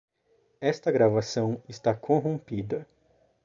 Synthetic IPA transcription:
ɛst̪ɐɡɾavasɐ̃w̃ɪst̪akʰõɦõmpid̪ɐ

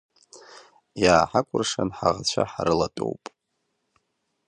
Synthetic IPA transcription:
jaːħakʷʼʊrʂanħaʁat͡ɕʷʰaħaɾɨlatʼo̰wpʼ

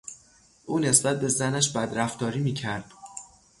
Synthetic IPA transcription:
ʔuːne̞sbæt̪̚be̞zænæʃbæd̪ɾæft̪ɒːɾiːmiːcʰæɾd̪̥

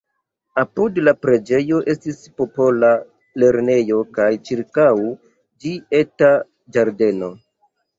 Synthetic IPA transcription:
apudlapɾe̞d͡ʒe̞jo̞ʔe̞stispo̞po̞la | le̞ɾne̞jo̞kajt͡ʃiɾkaw | d͡ʒie̞ta | d͡ʒaɾde̞no̞

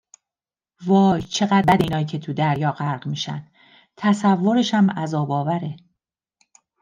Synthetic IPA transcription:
vɒːjt͡ʃʰe̞ɣæd̪bæd̪iːnɒːjiːcʰe̞t̪ʰud̪æɾjɒːɢæɾɢmiːʃæ̰nd̪ | t̪ʰæsævːo̞ɾeʃæmæzɒːbɒːvæɾe̞

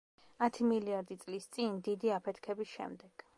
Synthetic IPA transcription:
at̪ʰimiliaɾd̪it̪sʼlist̪sʼind̪id̪iapʰɛt̪ʰkʰɛbisʃɛ̰md̪ɛɡ̥

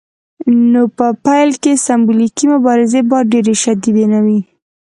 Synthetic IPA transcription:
nopəpajlkesambulikimʊbɑɾɪzebɑɾɖeɾeʃad̪id̪enawi

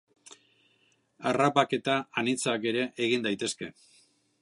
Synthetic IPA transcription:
arapake̞t̪aːnit͡sake̞ɾe̞ʔeɣind̪ajt̪e̞ske̞

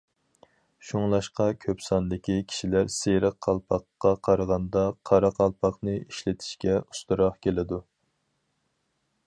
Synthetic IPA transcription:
ʃuŋlˠɑʃqɑkʲʰøpsɑnd̪ɪkʲʰikʲʰi̥ʃilæɾseɾəqʰːɑlˠpʰɑqːɑqʰɑɾəʁɑnd̪ɑqʰɑɾɑqʰɑlˠpʰɑχnɨiʃlɪt̪ʰɪ̥ʃkʲɛu̥st̪uɾɑχkʲʰelɪd̪u

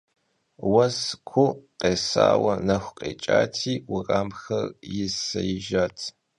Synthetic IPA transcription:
wɐskʷʰʊqʼeːsa̰ːwɐnɐxʷqʼḛːt͡ʃʼaːtʰiːwʊraːmxɐrjɪsɐjɪʒatʰ

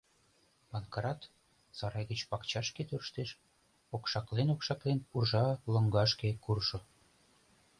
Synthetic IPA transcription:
pɑnkɾɑt̪ | zɑɾɑjɡə̆t͡ɕpɑkt͡ɕɑʃket̪ørʃt̪eʃ | okʃɑklenokʃɑklenpurʒɑlɤ̆ŋɡɑʃkekurʃɤ̆

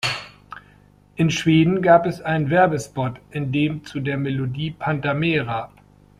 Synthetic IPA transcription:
ʔɪnʃv̥eːdn̩ɡaːpɛsʔaɪnənvɛɐbəspɔtʔɪndeːmt͡sudeːɐmelodiːpʰantameːʁa

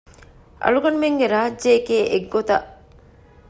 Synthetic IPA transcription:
ʔɐ̰ɭuɡɐnumeŋɡeɾaɦɐd͡ʒd͡ʒeːkeːʔeɡːot̪ɐ̰ʔ

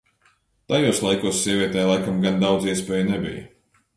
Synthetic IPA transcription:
t̪ajuɔslˠajkuɔsːiɛvʲiɛt̪ɛːjlˠajkamɡand̪awd̪ziɛspɛːjnɛbḭjə̰

